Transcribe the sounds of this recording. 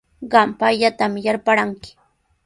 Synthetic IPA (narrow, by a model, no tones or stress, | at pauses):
ɢɑmpaʎat̪amjaɾpaɾaŋkɪ̥